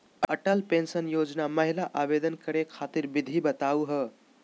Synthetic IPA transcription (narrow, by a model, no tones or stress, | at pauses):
əʈəlpensənjod͡ʒnaməɦilaʔabed̪ənkəɾekʰat̪iɾbid̪ʱibət̪auɦə